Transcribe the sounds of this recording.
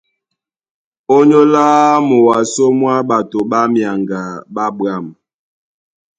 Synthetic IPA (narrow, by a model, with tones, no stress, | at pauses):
o˦ɲo˦laː˦mo˨wa˨so˦mwa˦ɓa˨to˨ɓa˦mja˨ŋɡa˨ɓa˦ba˦˨m